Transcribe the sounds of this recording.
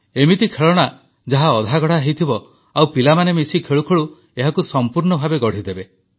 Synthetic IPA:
emit̪ikʰeɭɔɽ̃a | d͡ʒaɦaɔd̪ʱaɡɔɽ̤aɦejt̪ʰibɔ | awpilamanemisikʰeɭukʰɔɭu | eɦakusɔmpuɾɳɔbʱabeɡɔɽ̤id̪ebe

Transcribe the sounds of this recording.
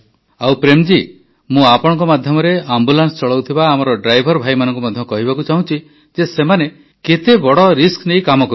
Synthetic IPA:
awpɾemd͡ʒi | mũapɔɽ̃ɔ̃ŋk̬ɔmad̪ʱjɔmɔɾeambulanst͡ʃɔɭɔwt̪ʰibaːmɔɾɔɖɾajbʱɔɾbʱajmanɔ̃ŋk̬umɔd̪ʱjɔkɔɦibakut͡ʃaɦũt͡ʃʰi | d͡ʒesemane | ket̪ebɔɽɔɾisknejkamɔkɔɾu

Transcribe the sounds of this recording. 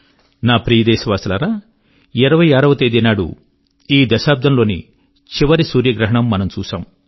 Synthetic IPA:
naːpɾiːjɐd̪ɛːʃɐʋaːsɐlaːɾaː | iɾɐʋɐjaːɾɐʋɐt̪ejd̪inaːɽṵ | iːd̪ɐʃaːp̚d̪ʱɐmloːnḭ | t͡ʃiʋɐɾisuːɾjɐɡɾɐɦɐɳɐmːɐnɐmt͡ʃuːʃa̰ːm

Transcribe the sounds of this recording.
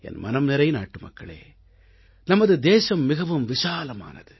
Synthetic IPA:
ɛ̰nmɐ̰nɐmnɪɾɐjna̰ːʈːɯmɐ̰kːɐ̰ɭḛː | nɐmɐðɯd̪eːsɐmːɪɣɐʋɯmʋɪʂaːlɐma̰ːnɐ̰ðɯ

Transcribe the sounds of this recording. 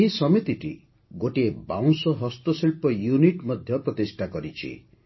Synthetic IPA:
eɦisɔmit̪iʈi | ɡoʈieba̰w̃sɔɦɔst̪ɔsilpɔjuniʈmɔd̪ʱjɔpɾɔt̪isʈʰakɔɾit͡ʃʰḭ

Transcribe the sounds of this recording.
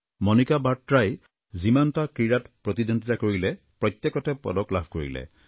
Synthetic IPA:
mɔnikabatɹaj | zimantakɹiɹatpɹɔt̪idɔnditakoɹilɛ | pɹɔjt̪jekɔtɛpɔ̰dɔklabʱkoɹḭlɛ̰

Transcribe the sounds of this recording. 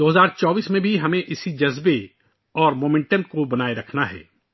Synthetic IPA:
d̪oːɦɐzaːɾt͡ʃɔːbiːsmẽbʱiɦɐmẽʔɪsid͡ʒɐzbe | ɔːɾmoːmẽɳʈənkobɐnaːeɾɐkʰnaɦɛ̰ː

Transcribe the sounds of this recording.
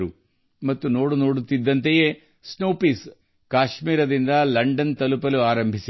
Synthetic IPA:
ɾu | mɐt̪ːunoːɽuno̞ːɽut̪ːid̪ːɐnt̪ejeː | snoːpiːs | kaːʃmiːɾɐd̪ind̪ɐlɐɳɖɐnt̪ɐlupɐluaːɾɐmbʱisi

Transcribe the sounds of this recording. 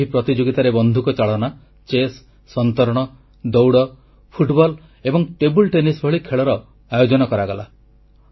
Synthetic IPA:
ipɾɔt̪id͡ʒoɡit̪aɾebɔnd̪ʱukɔt͡ʃaɭɔna | t͡ʃesː | ɔnt̪ɔɾɔɽ̃ɔ | d̪ɔwɽɔ | pʰuʈbɔl | ebɔŋʈebulʈenisbʱɔɭikʰeɭɔɾɔ | ajod͡ʒɔnɔkɔɾaɡɔla̰

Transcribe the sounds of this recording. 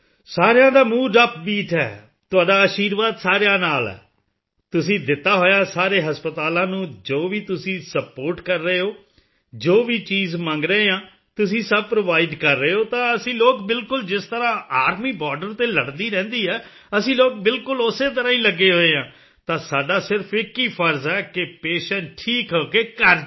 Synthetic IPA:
saːɾejãːd̪aːmũːɖəp̚biːʈʰɛ̰ː | t̪ʊaːɖaːəʃiːɾʋaːd̪saːɾejãːnaːlɛ̰ː | t̪ʊsĩːd̪ɪt̪ːaːɦoːjaːsaːɾeːɦəspət̪aːlãːnũːd͡ʒoːʋiːt̪ʊsĩːsəpoːɾʈkəɾːeːɦoː | d͡ʒoːʋiːt͡ʃiːzmə̃ŋɡɾəeːãː | t̪ʊs̬ĩːsəb̚pɾoːʋaːiːɖkəɾːəeːɦoːt̪ãːəsĩːloːkbɪlkʊld͡ʒɪst̪əɾãːaːɾmiːbaːɾɖəɾt̪eːləɽd̪iːɾɛ̃ːnd̪iːɦɛː | əsĩːloːk̚bɪlkʊlʊseːt̪̬əɾãːĩːləɡːeːɦoːeːãː | t̪ãːsaːɖaːsɪɾpʰekiːpʰəɾzɛːkɪpeːʃənʈʰiːkɦoːkeːkəɾ

